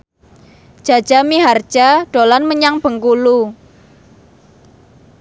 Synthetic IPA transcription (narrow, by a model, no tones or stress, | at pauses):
ʒ̥a̤d̥ʒ̥a̤miɦar̥d͡ʒ̥aɖ̥olanməɲaŋb̥ə̤ŋkulu